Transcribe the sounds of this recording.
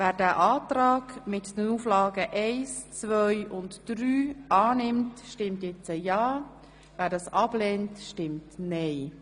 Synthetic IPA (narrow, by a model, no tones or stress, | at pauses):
væːɾdæːʔɑːtɾɑːɡmɪtd̥ənuːflɑːɡəʔɛɪst͡svœʏʔʊntd̥ɾyːʔɑːnɪmtʃtɪmtjɛt͡səjɑː | væːɾdɑːsɑblɛːntʃtɪmtnɛɪ